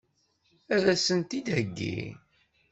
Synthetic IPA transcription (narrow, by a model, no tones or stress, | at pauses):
æðæsənt̪id̪həɡːḭ